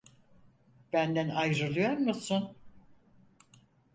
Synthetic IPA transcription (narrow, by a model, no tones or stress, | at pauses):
b̥ænd̪ænajɾɯlˠɯjoɾmusun